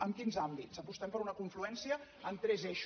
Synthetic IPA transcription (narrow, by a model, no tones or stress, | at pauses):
əŋkinzambitsəpust̪ɛmpəɾunəkuɱfluɛnsiəː | nt̪ɾɛzeʃ